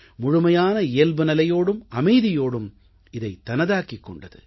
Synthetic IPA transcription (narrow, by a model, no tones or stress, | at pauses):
mʊɻʊmɐjaːnɐɪjɐlbɯnɐlɐjoːɽɯmɐmɐɪðɪjoːɽɯm | ɪðɐɪt̪ːɐnɐðaːkːɪkːɔ̰ɳɖɐðɯ̰